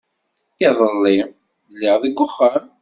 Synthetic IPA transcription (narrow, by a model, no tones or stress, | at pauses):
ɪðˤəlːi | lːiʁðˤəɡʷːʊχːəm